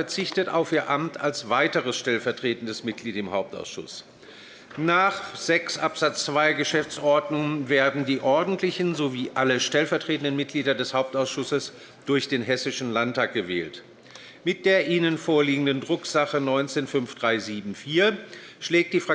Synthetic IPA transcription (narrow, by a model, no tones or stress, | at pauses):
ɛɐt͡sɪçtəta̰ʊfiːɐʔamtʰalsv̥aɪtəʁəsʃtɛlfɛɐtʁ̥eːtn̩dəsmɪt̚ɡ̥liːtɪmhaʊp̚ta̰ʊsʃʊ̰s | naːχz̥ɛksʔapz̥at͡st͡sv̥aɪɡəʃɛft͡sʔɔɐdnʊŋənveːɐdn̩diːʔɔɐdn̩tʰlɪçn̩zoviːʔaləʃtɛlfɛɐtʁ̥eːtən̩dənmɪt̚ɡ̥liːɾɐdɛshaʊp̚taʊsʃʊsəs | d̥ʊɐçd̥eːnɦɛsɪʃn̩lantaːk̚ɡ̥əvɛ̰ːlt | mɪt̚d̥eːɐʔiːnənfoːɐliːɡŋ̩dəndʁʊkz̥aχənɔʏnt͡seːnfʏnfd̥ʁaɪziːbm̩fiːɐ | ʃlɛːk̚t̚d̥iːfʁ̥a